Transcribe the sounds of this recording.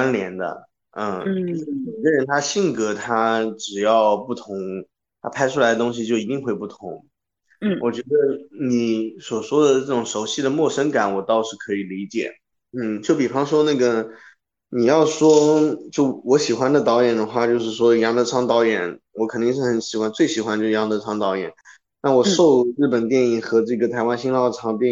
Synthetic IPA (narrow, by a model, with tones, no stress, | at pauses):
a˥nljɛ˧˥nd̪ə̰˧ | ə˥˩˥me˨˩ɡə˦˧ɻə˧˥nt̪ʰa˥ɕi˥˩ŋkɤ˧˥t̪ʰa˥ʈ͡ʂɻ̩˨˩jɑ˥˧ʊpu˥˩t̪ʰʊ˧˥ŋ | t̪ʰa̰˥pʰa˥ɪʈ͡ʂʰu˥la˧˥ɪd̪ə˧t̪ʊ˥ŋɕ̬i˨t͡ɕjo˥˩ʊi˧˥t̪i˥˧ŋxwe˥˧ɪpu˥˩t̪ʰʊ˧˥ŋ˥˩ | wʔɔ˨˩t͡ɕɥɛ˧˥d̪ə˧ni˧˩˦swɔ˨˩ʂwɔ˥d̪ə˨ʈ͡ʂɤ˥˩ʈ͡ʂʊ˨˩ŋʂo˧˥ʊɕi˥˩d̪ə˩mwɔ˥˩ʂə˥ŋka˨˩nwɔ˨˩t̪ɑ˥˧ʊʂɻ̩˥˩kʰɤ˧˥i˨˩li˧˥t͡ɕjɛ̰˨˩˦ | n̩˥˩t͡ɕjo˥˩ʊpi˨˩fɑ˥ŋʂwɔ˥na˥˩ɡə˩ | ni˨˩jɑ˥˩ʊʂwɔ˥t͡ɕjo˥˩ʊwɔ˧˥ɕi˨˩xwa˧˥nd̪ə˨t̪̬ɑ˧˥ʊjɛ˨˩nd̪ə˦xwa˥˩t͡ɕjo˥˧ʂɻ̩˥˩ʂwɔ˥˧jɑ˧˥ŋt̪ə˧˥ʈ͡ʂʰɑ˥ŋt̪ɑ˧˥ʊjɛ˨˩˦nwɔ˧˥kʰɤ˨˩ni˥˧ŋʂɻ̩˥˩xə˧˥nɕi˨˩xwa˥nt͡swe˥˩ɪɕi˨˩xa˥nt͡ɕjʂɻjɑ˧˥ŋd̪ə˧˥ʈ͡ʂʰɑ˥ŋt̪ɑ˧˥ʊjɛ̰˨˩˦n | na˥˩wɔ˨˩ʂo˥˧ʊɻɻ̩˥˩pə˨˩nt̪jɛ˥˩ni˥˩xɤ˧˥ʈ͡ʂɤ˥˩ɡə˩t̪ʰa˧˥ɪwa˥nɕi˥ŋlɑ˥˧ʊ˩ɑ˥t̪̬jɛ˥˧